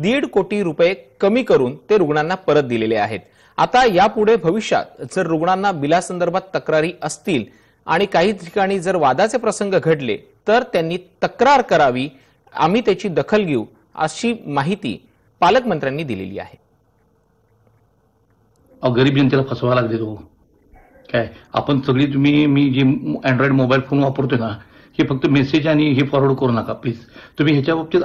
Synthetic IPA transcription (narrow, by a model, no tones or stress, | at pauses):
d̪iɽkoʈiːɾupjekəmiːkəɾuːnt̪eɾuɡɳanːapəɾət̪̚d̪ilelea̰ɦḛt̪ | a̰t̪ajapuɽ̤ebʱəʋiɕa̰t̪̚d͡zəɾːuɡɳanːabilasənd̪əɾbʱat̪ːəkɾaɾiːʔəst̪iːl | a̰ɽ̃ikaɦiːt̪ʰi̥kaɽ̃iːd͡zəɾʋad̪at͡sepɾəsəŋɡəɡʱəʈlḛ | t̪əɾt̪janːiːt̪əkɾaɾkəɾaʋiː | a̰m̤iːt̪jat͡ɕiːd̪əkʰəlɡʱeu | ə̰ɕiːmaɦit̪ḭː | paləkmənt̪ɾjanːiːd̪ilḛlḭːa̰ɦe | aʋɡəɾiːbd͡ʑənt̪̬ilapʰəsʋalaɡlet̪o | kaja̰pəɳsəɡɭiːt̪̬um̤iːmiːd͡ʑeɛ̃ɳɖɾɔiɖmobailfonʋapəɾt̪̬ona | hefək̚t̪əmesed͡ʑaɽ̃iɦefɔɾoɽkəɾuːnakapliːd͡zt̪um̤iːɦjat͡ɕjabap̚t̪i